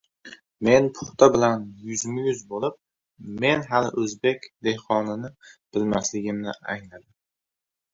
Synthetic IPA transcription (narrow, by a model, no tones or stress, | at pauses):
me̞npʰʊ̥χt̪ʰabɪlanjʊzmɪjʊzbolɪp̚ | me̞nɦalɪ̰ʔɵzbe̞kʲd̪e̞hqʰɒnɪnɪb̥ɪlmaslɪɡʲɪmnɪaŋnad̪ɪ